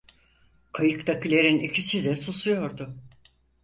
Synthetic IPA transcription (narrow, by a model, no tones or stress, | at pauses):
kʰajɯk̚t̪ʰakɯlʲeɾinicʰisid̪ɛsusujo̞ɾd̪ʊ